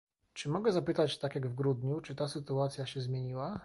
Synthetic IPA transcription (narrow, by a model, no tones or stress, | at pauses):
t͡ʂɘmɔɡɛzapɘt̪at͡ɕt̪akjaɡvɡɾud̪ɲut͡ʂɘt̪asɘt̪uat̪sʲjaɕɛzmʲjeɲiwa